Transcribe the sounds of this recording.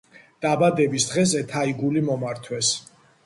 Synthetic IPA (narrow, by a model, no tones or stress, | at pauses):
d̪̥abad̪ɛbisd̪ʁɛzɛt̪ʰaiɡulimɔmaɾt̪ʰwɛs